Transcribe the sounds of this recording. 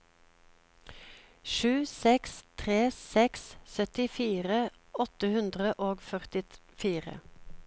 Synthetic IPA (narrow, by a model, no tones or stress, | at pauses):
ʃʉːsɛkst̪ʰʁeːsɛkssœt̪ɪfiːʁə | ɔt̪əhʉnd̪ʁəʔoːɡfœʁt̪ɪfiːʁə̰